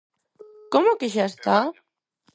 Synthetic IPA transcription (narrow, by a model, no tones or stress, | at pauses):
komokeʃaest̪a